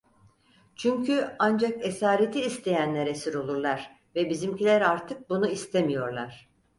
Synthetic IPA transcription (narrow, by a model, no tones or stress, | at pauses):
t͡ʃʰyɲcʰyand͡ʒake̞saːɾet̪ʰiːst̪ʰe̞jænlʲæɾesiɾo̞lˠuɾlˠaɾ̥ | vɛbizimcilʲæɾaɾt̪ʰɯk̚bunuist̪ʰemijo̞ɾlˠaɾ̥